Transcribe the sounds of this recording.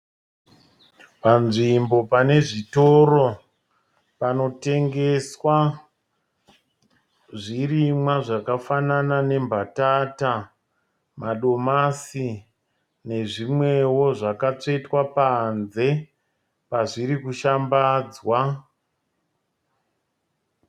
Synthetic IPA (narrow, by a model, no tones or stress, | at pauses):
panʐimbo̞pane̞ʐitoro̞ | pano̞te̞ŋɡe̞swa | ʐirimwaʐakafananane̞mbʱatata | maɗo̞masi | ne̞ʐimwe̞wo̞ʐakat͡ʂe̞twapanze̞ | paʐiɾikuʃambaːd͡zwa